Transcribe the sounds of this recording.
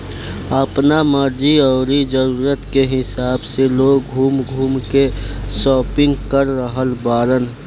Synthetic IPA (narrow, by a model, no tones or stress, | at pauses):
əpnaməɾd͡ʒiɔːɾid͡ʒəɾuːɾət̪keɦɪsaːbseloːɡɡʱuːmɡʱuːmkesɔːpɪ̃ŋɡkəɾːəɦəlbaːɾən